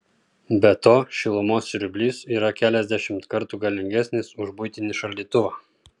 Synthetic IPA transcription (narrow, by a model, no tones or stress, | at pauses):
bʲɛt̪oːʃʲɪlˠʊmoːsɾʲʊbʲlʲiːsiːɾɐkʲæːlʲɛzʲd̪ʲæʃʲɪmt̪kɐɾt̪uːɡɐlʲɪŋʲɡʲæsʲnʲɪsʊʒbʊjt̪ʲɪnʲɪʃɐlʲd̪ʲiːt̪ʊʋɑː